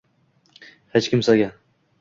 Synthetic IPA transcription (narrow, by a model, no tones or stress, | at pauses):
het͡ʃkʲɪmsaɡʲa